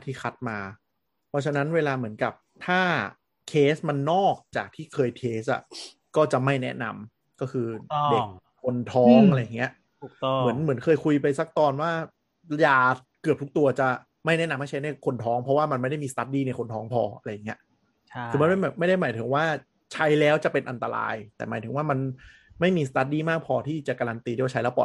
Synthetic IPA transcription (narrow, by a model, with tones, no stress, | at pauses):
t̪ʰiː˥˩xʰa˦˥t̪̚maː˧ | pʰɔ˦˥t͡ɕʰa˧na˦˥nweː˧laː˧mɯ˩˦ənka˨˩p̚t̪ʰaː˥˩ | kʰeː˦˥sma˧nːɔː˥˩k̚t͡ɕa̰ː˨˩k̚t̪ʰiː˥˩kʰɤː˧jtʰeː˦˥sʔa̰˨˩ | kɔː˥˩t͡ɕa˨˩ma˥˩jnɛ̰˦˥na˧m | kɔː˥˩kʰɯː˧˨de˨˩kʰː | o˧nt̪ʰɔː˥˦˥ŋa˧ɾa˧ja˨˩ŋːi˦˥ɐ | u˨˩mmɯ˩˦ənmɯ˩˦nkʰɤː˧jkʰu˧jpa˧jsa˧˩k̚t̪ɔː˧nwaː˥˩ | jaː˧ | kɯ˨˩əp̚t̪ʰu˦˥k̚t̪u˧ɐt͡ɕa˨˩ | ma˥˩jnɛ˦˥na˧mha˥˩t͡ɕʰa˦˥jna˥˩jkʰo˧nt̪ʰɔː˦˥ŋpʰɔ˦˥waː˥˩ma˧nma˥˩jda˥˩jmiː˧st̪a˦˥t̪̚diː˧˩na˧˩jkʰo˧nt̪ʰɔː˦˥ŋpʰɔ̰ː˧ʔa˧ɾa˧ja˨˩ŋːi˦˥ɐ | kɯː˧˦ma˧nma˥˩jbɛː˨˩p̚ma˥˩jda˥˩jmaː˩˦jt̪ʰɯ˩˦ŋwaː˥˩ | t͡ɕʰa˦˥jlɛː˦˥wt͡ɕa˨˩pe˧nʔa˧nt̪a˧ɾa̰ː˧jt̪ɛ̰ː˨˩maː˩˦t̪ʰɯ˨˩˦ŋwaː˥˩ma˧n | ma˥˩jmiː˧sa˧˩t̪a˦˥t̪̚diː˧˩maː˥˩k̚pʰɔː˧t̪ʰiː˥˩t͡ɕa˨˩ʔkaː˧ɾa˧nt̪iː˧i˥˩waː˥˩t͡ɕʰa˦jlɛː˦˥wpɔ̰˨˩